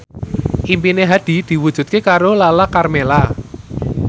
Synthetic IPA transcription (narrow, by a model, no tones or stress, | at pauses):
ʔimpineɦad̪̥i̤d̪̥i̤wud̥ʒ̥ṳt̪̚kekaɾolalakarmela